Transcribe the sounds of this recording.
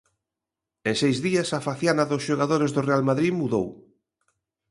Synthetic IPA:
ẽŋsejzðiasafaθjanaðʊsʃoɣaðoɾɪzðʊrealmaðɾiðmuðo̰w

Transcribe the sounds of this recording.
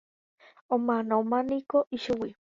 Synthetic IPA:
omanomanikoʔiʃuwi

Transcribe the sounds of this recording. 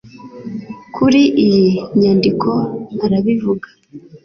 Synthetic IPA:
kʰuɾiʔijiɲandikʰo̞aɾaβivuɡḁ

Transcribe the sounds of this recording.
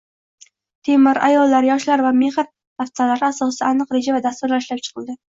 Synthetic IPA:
t̪ʰemɪɾa̰jɒlːaɾjɒʃlaɾvame̞hɨɾ | h̪aft̪alaɾɪasɒsaanɨqɾed͡ʒavad̪ast̪ʊɾlaɪʃlap̚t͡ʃʰɨ̥qʰɨlˠd̪ɪ

